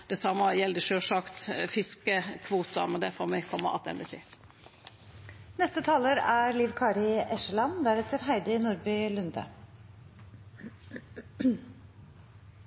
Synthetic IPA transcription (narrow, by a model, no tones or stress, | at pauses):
d̪̥ɛsɑmːɑjɛld̪ɪʃøːʂɑkt̪fɪskəkʰʋuːt̪ɑmɛnd̪æfɔɾmɛkʰɔmːə̰ʔɑ̰t̪ʰɛ̰nt̪ɪt̪ʰɪ | nɛst̪ət̪ʰɑːləɾæɾliːʋkʰɑːɾɪɛʃəlɑnd̪æɾɛt̪əɾɦæɪd̪ɪnʊɾbʏlʉnd̪ə̰